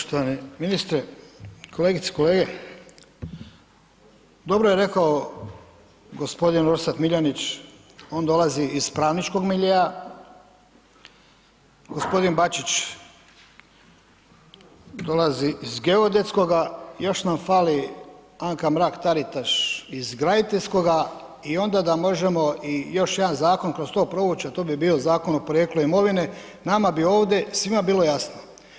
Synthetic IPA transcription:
oʃt̪oʋaneminist̪ɾekʰoleːɡit̪e̥ko̞leːɡe | d̪o̞bɾoje̞ɾe̞kao | ɡospo̞d̪inoɾsat̪miʎonit͡ɕ | o̞ːnd̪o̞laziispɾaːʋnit͡ʃko̞ɡmiʎea | ɡ̥o̞spo̞d̪inbat͡ʃit͡ʃ | d̪o̞laziʔizɡe̞od̪esko̞ɡajo̞ʃnamfaːliaŋkamɾaːkt̪aɾit̪aʃizɡɾad̪it̪eʎʲsko̞ɡa | io̞nd̪ad̪amo̞ʒe̞mo̞ijo̞ʃje̞d̪anzaːko̞nkɾo̞st̪o̞ːpɾo̞ut͡ɕat̪oːbibio̞zaːko̞nopoɾje̞ːkluimo̞ʋine | namabio̞ːʋd̪e̞sʋimabiːlo̞jasno

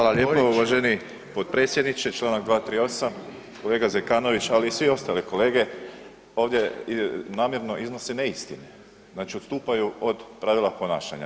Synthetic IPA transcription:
xaːlˠalʎjeuʋaʒeni | po̞d̪̥̚pɾet̪sjed̪nit͡ʃet͡ʃlˠaːnak̚d̪ʋaːt̪ɾiːo̞sam | ko̞le̞ːɡazekaːno̞ʋit͡ʃaliːsʋio̞st̪aliko̞le̞ːɡe̞ | o̞ːʋd̪jenaːmje̞ɾno̞ʔizno̞sene̞ist̪ḭne | znaːt͡ʃiost̪uːpajuo̞d̪pɾaʋilˠapo̞na̰ːʃa̰ɲa̰

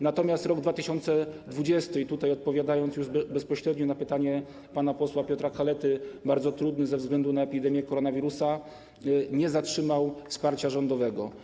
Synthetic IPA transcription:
nat̪ɔmʲjast̪ɾɔɡd̪vat̪ɘɕɔnt̪sɛd̪vud͡ʑɛst̪ɘit̪ut̪ajɔt̪̚pɔvʲjad̪ajɔnt̪sjuʐbɛspɔɕɾɛd̪ɲɔnapɘt̪aɲɛ | panapɔswapʲjɔt̪ɾakalɛt̪ɘbaɾd̪zɔt̪ɾud̪nɘzɛvzɡlɛnd̪unaɛpʲid̪ɛmʲjɛkɔɾɔnavʲiɾusa | ɲɛzatʂɘmawfspaɾt͡ɕaʐɔnd̪ɔvɛɡɔ

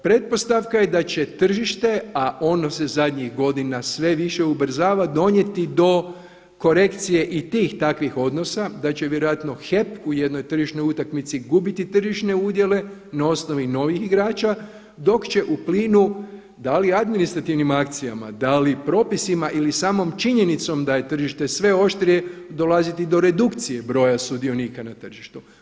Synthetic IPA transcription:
pɾe̞t̪̚po̞st̪aʋkaje̞d̪at͡ɕe̞t̪r̩ʒiʃt̪e̞aʔo̞nose̞zad̪ʲɲixɡo̞d̪inasʋe̞ʋiʃe̞ubr̩zaːʋad̪o̞ɲe̞t̪id̪o̞ | ko̞ɾe̞kt̪sije̞ʔit̪iːxt̪akʋixo̞d̪no̞sad̪at͡ɕe̞ʋje̞ɾojat̪no̞xe̞puje̞d̪no̞jt̪r̩ʒiʃno̞jut̪akmit̪siɡubit̪it̪r̩ʒiʃneud̪je̞le̞nao̞sno̞ʋino̞ʋixiɡɾaːt͡ʃa | d̪o̞kt͡ɕe̞ʔupliːnu | d̪aliad̪minist̪ɾat̪iʋnimakt̪sija̰ma̰d̪alipɾo̞ːpisimaʔilisaːmo̞mt͡ʃiɲe̞nit̪so̞md̪aje̞t̪r̩ʒiʃt̪e̞sʋe̞o̞ʃt̪ɾije̞d̪o̞lazit̪id̪o̞ɾe̞d̪ukt̪sije̞bɾo̞ːjasud̪io̞niːkanat̪r̩ʒiʃt̪u

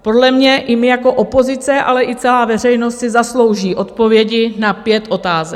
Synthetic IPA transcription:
po̞dlɛmɲɛʔɪmɪjako̞ʔopo̞zɪt͡sɛʔa̰lɛʔɪt͡sɛlaːvɛr̝ɛjno̞st̪sɪzaslo̞wʒiːʔo̞t̪po̞vjɛɟɪnapjɛt̪ʔo̞t̪aːzɛ

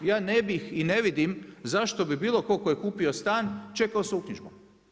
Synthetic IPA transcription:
jaːnebixine̞ʋid̪imzaʃt̪o̞bibiːlˠo̞kokojekuːpiost̪aːnt͡ʃe̞kaosaukɲiʒbu

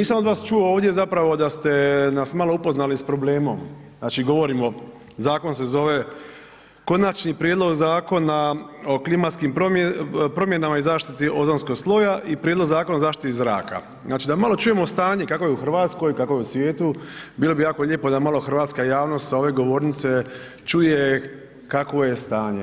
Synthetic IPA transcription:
niːsamod̪ʋaːst͡ʃuooːʋd̪je̞zapɾaʋo̞d̪ast̪e̞nasmalˠo̞upo̞znalispɾo̞ble̞ːmo̞̰mznaːt͡ʃiɡo̞ʋoɾimo̞ | zaːko̞ns̬e̞zo̞ʋe̞ | ko̞nat͡ʃnipɾjed̪lo̞ɡzaːko̞nao̞klimat̪skimpɾopɾo̞mje̞namaizaːʃt̪it̪iʔo̞zonsko̞ɡslˠo̞jaʔipɾjed̪lo̞ɡzaːko̞nazaːʃt̪it̪izɾa̰ːka̰ | znaːt͡ʃid̪amalˠo̞t͡ʃuje̞most̪aːɲekako̞jeuxr̩ʋaːt̪sko̞jkako̞jeusʋje̞ːt̪ubiːlˠo̞bijaːkoʎeːpod̪amalˠo̞xr̩ʋaːt̪skajaːʋno̞st̪sao̞ʋe̞ɡo̞ʋo̞ːɾnit̪se̞ | t͡ʃuje | kakʋo̞jest̪aːɲḛ

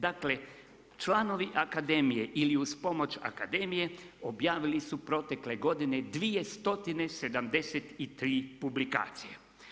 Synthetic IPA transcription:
d̪akle̞ | t͡ʃlˠano̞ʋiʔakad̪e̞mije̞ʔiliuspo̞mo̞t͡ʃa̰kad̪e̞mije̞o̞bjaːʋilisupɾo̞t̪e̞kle̞ɡo̞d̪ine̞d̪ʋije̞st̪o̞t̪ine̞se̞d̪amd̪e̞set̪it̪ɾiːpublika̰ːt̪sije

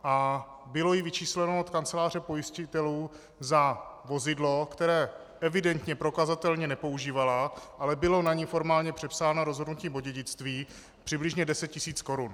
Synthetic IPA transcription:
ʔa | bɪlo̞jɪvɪt͡ʃiːslɛnoot̪kant͡sɛlaːr̝ɛpo̞jɪscɪt̪ɛluː | zavo̞zɪdlo̞kt̪ɛɾɛː | ʔɛvɪdɛnt̪ɲɛpɾo̞kazat̪ɛlɲɛnɛpo̞uʒiːvalaʔalɛbɪlo̞naɲifo̞ɾmaːlɲɛpr̥ɛpsaːnoɾo̞zɦodnuciːboɟɛɟɪt͡st̪viː | pr̝̥ɪblɪʒɲɛdɛsɛt̪̚cɪsiːt͡sko̞ɾun

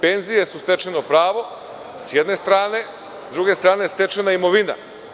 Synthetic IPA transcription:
pe̞nzijesust̪e̞t͡ʃenopɾaːʋo̞ | sjed̪ne̞st̪ɾaːne̞ | zd̪ɾuɡe̞st̪ɾaːnest̪e̞t͡ʃenaimo̞ʋina̰

